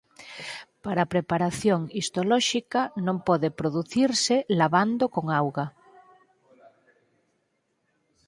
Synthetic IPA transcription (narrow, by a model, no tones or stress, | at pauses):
paɾapɾepaɾaθjoŋist̪olɔʃikanõmpɔðepɾoðuθiɾselaβand̪okoŋawɣa